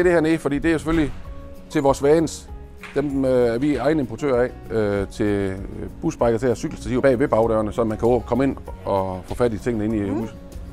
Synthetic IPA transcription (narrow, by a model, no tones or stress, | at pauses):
eɾ̥e̝hæɐnefɒ̽d̥ḭːd̥e̝æjose̥føllit͡sʰe̝lʋɒːsʋɛːns | d̥emæɐʋiɑ̈ɪnəempʰot͡sʰø̰ːɐɛ̰ | øt͡sʰe̝b̥usb̥ʁɑ̈ɡ̥ð̩ˠt͡sʰeæɐsyɡ̥l̩sd̥æt͡sʰiʊ̰b̥ɛ̰ːʋe̝b̥ɑ̈ʊɾ̥œʊɐnəsɒ̽mːænkʰæɔ̰kʰɒ̽me̝nɒ̽fɔːfæd̥it͡sʰe̝ŋ̰ənəe̝n̰ius